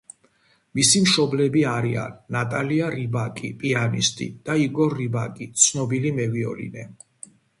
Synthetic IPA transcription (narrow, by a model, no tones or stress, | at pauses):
misimʃɔblɛbiaɾia̰nːat̪ʼaliaɾibakʼḭpʼianist̪ʼḭd̪̥aiɡɔɾːibakʼit̪sʰnɔbilimɛviɔ̰lḭnɛ